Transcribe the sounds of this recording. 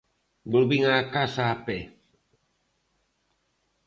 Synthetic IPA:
buɾbiŋakasape

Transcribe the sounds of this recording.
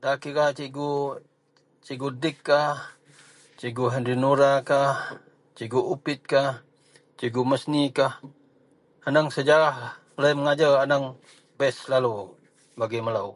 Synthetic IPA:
dakikat͡ʃiɡu | t͡ʃiɡudɪkːah | t͡ʃiɡuɦɛnɾinuɾakah | t͡ʃiɡuupɪt̪̚kah | t͡ʃiɡuməsnikah | anaŋsəd͡ʒaɾah | laiməŋad͡ʒaranaŋ | bɛslalu | baɡiməlau

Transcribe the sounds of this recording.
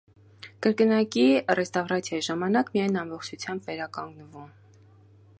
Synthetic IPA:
kəɾkənɑkirɛst̪ɑvɾɑt͡sʰjɑjiʒɑmɑnɑkmijɑjnɑmbɔχt͡ʃʰut͡sʰjɑmbvɛɾɑkɑŋɡnəvum

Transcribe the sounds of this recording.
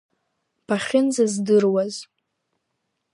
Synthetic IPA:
pʰaχʲɪnzazdɨrwaz

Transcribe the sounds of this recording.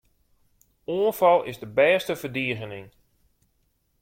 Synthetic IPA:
uənfɑlˠɪ̰zdəbɛːstəfərdiəɣənɪŋ

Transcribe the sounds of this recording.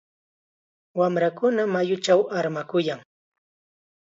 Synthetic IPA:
wamɾakʊnamajʊt͡ʃawaɾmakʊjaŋ

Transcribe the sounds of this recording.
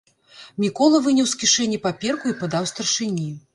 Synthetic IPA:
mʲikɔlˠɐvɨnʲɐwskʲiʂɛnʲːipapʲɛrkuipad̪awst̪ɐrʂɨnʲi

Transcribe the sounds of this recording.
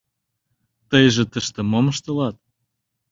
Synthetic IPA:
t̪əjʒĕt̪əʃt̪ə̆moməʃt̪ə̆lɑt̪̚

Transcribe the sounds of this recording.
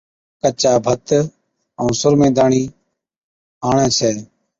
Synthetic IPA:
kət͡ʃaːbʱət̪ | əũːsʊɾmẽːd̪aːɳiː | aːɳɛ̃ːsʰɛː

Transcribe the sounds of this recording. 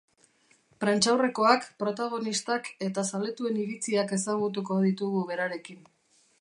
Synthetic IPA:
pɾant͡ʃawre̞ko̞akpɾo̞t̪aɣ̞o̞nist̪ake̞t̪asale̞t̪ue̞niɾit͡siake̞saɣut̪̬uko̞ðit̪uɣuβe̞ɾaɾe̞kin

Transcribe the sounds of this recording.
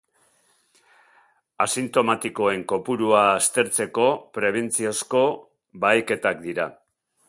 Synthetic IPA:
asint̪o̞mat̪iko̞e̞ŋko̞puɾuaːst̪e̞ɾt͡se̞ko̞pɾe̞β̞e̞nt͡siosko̞ | bajke̞t̪ak̚d̪iɾa

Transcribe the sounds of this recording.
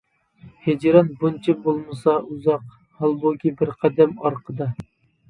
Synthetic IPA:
hed͡ʒɾɑnbunt͡ʃʰibolˠmɨsɑʔuzɑq | hɑlˠbokʲibɪɾqʰæd̪ɛmɑɾqʰəd̪ɑ

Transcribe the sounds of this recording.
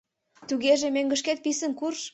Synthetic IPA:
t̪uɣeʒemøŋɡə̆ʃket̪̚pisə̆nkurʃ

